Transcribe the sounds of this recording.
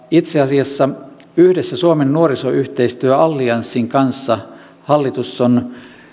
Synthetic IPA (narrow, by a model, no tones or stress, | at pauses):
it̪seɑsiɑsːɑ | yhdesːæsuomenːuoɾisoyht̪eist̪yøɑlːiɑnsːiŋkɑnsːɑ | hɑlːit̪usːon